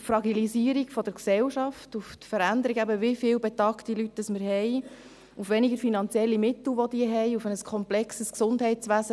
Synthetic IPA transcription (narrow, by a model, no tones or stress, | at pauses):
fɾɑɡiliziəɾiɡfɔdəɾksɛlʃɑftuft̪fəɾænd̪əɾiɡæbəʋɪfɪːlbetɑktilytːəsməɾɦɛj | ufʋɛniɡəɾfinɑnt͡sjɛlːimɪt̪l̩ʋɔd̪iəɦɛjufənəskʰɔmplɛksəsksʊndɦɛɪt͡sʋæːzə